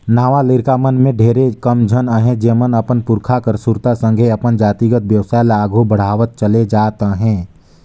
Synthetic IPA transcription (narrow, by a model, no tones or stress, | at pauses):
naːʋalɪɾkamənmẽɖʱeːɾekəmd͡ʒʱənəɦɛ̃d͡ʒeːmənəpənpʊɾkʰakəɾsʊɾt̪asə̃ŋɡʱeɐpənd͡ʒaːt̪iɡət̪̚bjəwsaːjlaːɡʱubəɽ̤aːʋət̪̚t͡ʃəled͡ʒaːt̪aɦɛ̃ː